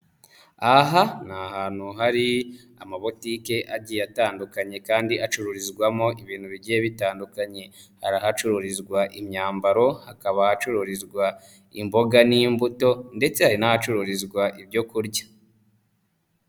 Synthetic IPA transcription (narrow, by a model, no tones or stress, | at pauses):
aɦanahaːnhuɦaɾi | amaβo̞tiːke̞ʔaɟijataːndukaɲe̞kaːndiat͡ʃuɾuɾizɡwamo̞ʔiβiːn̥huβiɟijeβitaːndukaɲe̞ | haɾahat͡ʃuɾuɾizɡwaʔimɲaːmbaɾo̞hakaβahat͡ʃuɾuɾizɡwa | imbo̞ɡaniːmbuto̞nde̞t͡se̞haɾinahat͡ʃuɾuɾizɡwaʔibɟo̞kuɾɟḁ